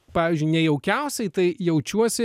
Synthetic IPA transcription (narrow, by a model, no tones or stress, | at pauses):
pɑːʋʲizʲd͡ʒʲʊɪnʲɛjɛʊkʲɛʊsʲɛɪt̪ɐɪjɛʊt͡ʃʲuɔsʲɪ